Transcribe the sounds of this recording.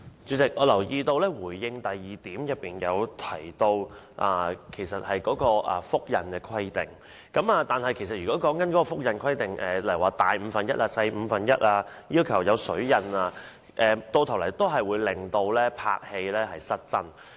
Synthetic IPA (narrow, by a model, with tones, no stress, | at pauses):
t͡sy˨˥t͡sɪ˨k̚ʔɔː˨˧lɐ˨˩wjiː˧t̪o˧wlɛː˥wuː˨˩jːɪ˧ŋt̪ɐ˨jːiː˨˩t̪iː˨˥mjɐ˨˩t̚pːiː˨˩njɐ̰˨˧wt̪ʰɐ˨˩jt̪o˧w | ʔa̰ː˧kʰe˨˩jsɐ˨t̚hɐ˨jkɔː˨˥kɔː˧ʔɐ̰˨fʊ˥k̚jɐ˨˩nkɛː˧kʰwɐ˥jt̪ɪ˨˩ŋ | kɐ˨˥maː˧t̪aː˨nhɐ˨jkʰe˨˩sɐ˨t̚jy˨kɔ˨˥kɔː˨˥ŋkɐ˨˥nkɔː˨˥kɔ˧fʊ˥k̚jɐ˨˩nkʰɐ˥jt̪ɪ˨ŋʔɛː˨lɐ˨˩jwaː˨˩t̪aː˨jm̩˨˧fɐ˨njɐ˥t̚ʔaː˧sɐ˧jm̩˨˧fɐ˨njɐ˥t̚ʔaː˧jiː˥wkʰɐ˨˩wjɐ˨˧wsɵ˨˥ɥjɐ˨˩naː˧ | ʔɛː˨t̪o˧wt̪ʰɐ˨˩wlɐ˨˩jt̪o˥wɦɐ˨jwuː˨˧jlɪ˨ŋt̪o˧wlɛː˥pʰa̰ː˧k̚he˧jlɛː˥hɐ˨jsɐ˥t̚t͡sɐ˥n